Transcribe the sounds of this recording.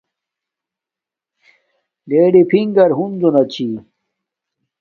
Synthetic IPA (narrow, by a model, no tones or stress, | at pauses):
d̪eːɖipʰiŋɡɐɾɦund͡ʑonɐt͡ɕʰi